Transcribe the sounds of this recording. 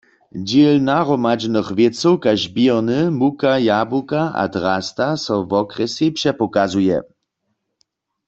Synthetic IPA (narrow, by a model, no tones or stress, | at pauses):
d͡ʑelnaʁɔmad͡ʒnɨxvjet͡sɔwkaʒbɛʁnɨmukajabukaʔa̰d̪ʁast̪asɔvɔkʁɛsjipʂɛpɔkazujɛ̰